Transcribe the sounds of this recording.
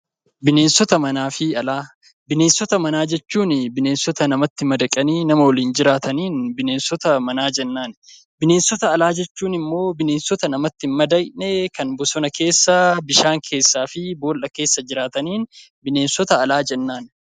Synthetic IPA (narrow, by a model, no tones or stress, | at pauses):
bɪne̞ːnsɔt̪ɐmɐnaːfɪɐlaː | bɪne̞ːnsɔt̪ɐmɐnaːd͡ʒɛt͡ʃːuːnɪbɪneːnsɔt̪ɐnɐmɐt̪ːɪmɐd̪ɐkʼɐniːnɐmɐwɔliːnd͡ʒɪɾaːt̪ɐniːnbɪne̞ːnsɔt̪ɐmɐnaːd͡ʒɛnːaːn | bɪne̞ːnsɔt̪ɐːlaːd͡ʒɛt͡ʃːuːnɪmːo̞ːbɪne̞ːnsɔt̪ɐnɐmɐt̪ːɪnmɐd̪ɐjnɛkɐnbʊsɔnɐkʰe̞ːsːɐbɪʃaːŋkʰe̞ːsːaːfɪboːlʔɐke̞ːsːɐd͡ʒɪɾaːt̪ɐniːn | bɪne̞ːnsɔt̪ɐːlaːd͡ʒɛnːaːn